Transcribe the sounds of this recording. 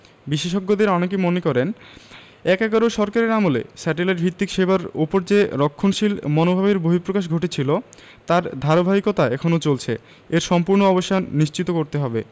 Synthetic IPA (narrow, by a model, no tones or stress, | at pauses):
biʃeʃ̬ɔɡːod̪eɾɔnek̬emonekɔɾen | ɛkɛɡaɾoʃɔɾkaɾeɾamolḛsɛʈelajʈ̚bʱit̪ːikʃebaɾupoɾd͡ʑeɾokʰːonʃilmɔnobʱabeɾboɦipɾokaʃ̬ɡʱoʈet͡ɕʰilo | t̪aɾd̪ʱaɾobʱaɦikot̪aɛkʰonot͡ɕolt͡ɕʰḛ | eɾʃɔmpuɾnoɔboʃʈʰanniʃt͡ɕit̪okoɾt̪eɦɔbe